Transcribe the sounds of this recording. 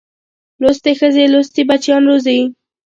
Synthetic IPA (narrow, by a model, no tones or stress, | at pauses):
lost̪exəzelost̪ebat͡ʃjɑnɾozawi